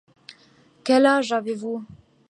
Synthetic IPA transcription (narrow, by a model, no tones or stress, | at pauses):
kɛlaʒavevu